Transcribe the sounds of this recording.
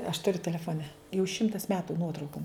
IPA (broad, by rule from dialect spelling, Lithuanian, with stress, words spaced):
ɐʃ tʊˈrʲʊ tʲɛlʲɛfoːˈnʲɛ jɛʊ ˈʃʲɪmtɐs ˈmʲæːtʊ ˈnuɔtrɐʊkoːm